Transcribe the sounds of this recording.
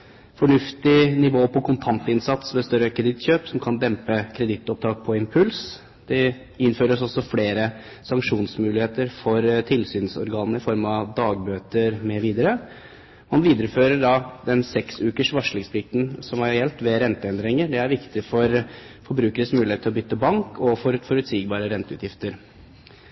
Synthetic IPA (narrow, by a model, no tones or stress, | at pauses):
fɔɳʉft̪ɪnɪʋoːpʰɔkʰʊnt̪ʰɑnt̪ɪnsɑt̪sʋɛst̪œɾəkʰɾɛd̪ɪt̪ɕøːpsɔmkʰɑnd̪ɛmpəkʰɾɛd̪ɪt̪ːɔp̚t̪ʰɑːk̚pʰɔɪmpʰʉls | d̪̥ɛ | ɪnføːɾəsɔsːɔfleːɾə | sɑŋkʂuːnsmʉːlɪheːt̪əɾfɔɾt̪ʰɪlsyːnsɔ̰ɾɡɑːnnəɪfɔɾmɑd̪ɑːɡ̚bøːt̪əɾmɛʋiːd̪əɾə | mɑnʋiːd̪əɾəføːɾəɖɑd̪ɛnsɛksʉːkəʂʋɑʂɭɪŋspʰlɪk̚t̪n̩sɔmɑɾɛjɛlt̪ʋɛɾɛnt̪əɛnd̪ɾɪŋəɾɖɛæɾʋɪkt̪ɪfɔɾfɔɾbɾʉːkəɾəsmʉːlɪeːt̪ɪlɔbʏt̪ːəbɑŋkʰɔfɔɾfɔɾʉt̪siːɡbɑːɾəɾɛnt̪əʉːt̪jɪft̪əɾ